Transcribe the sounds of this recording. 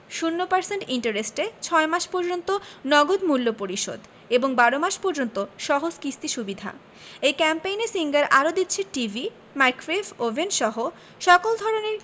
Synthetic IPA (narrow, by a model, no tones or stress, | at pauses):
ʃunːopaɾseɳʈiɳʈaɾesʈet͡ɕʰɔemaʃpoɾd͡ʑont̪onɔɡod̪mulːopoɾiʃo̰d̪ | eboŋbaɾomaʃpoɾd͡ʑont̪oʃɔɦod͡ʑkɾist̪iʃubid̪ʱa̰ | ejkɛmpejnesiŋɡaɾʔaɾod̪itːɕʰeʈivi | majkfefovenʃɔɦo | ʃɔkold̪ʱɔɾoneɾ